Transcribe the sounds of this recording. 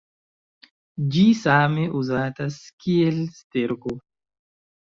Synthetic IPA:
d͡ʒisameʔuzaːtaskielsteɾko

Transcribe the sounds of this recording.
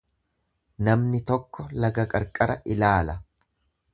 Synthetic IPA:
nɐmnɪt̪ɔkːɔlɐɡɐkʼɐɾkʼɐɾɐʔɪlaːlɐ

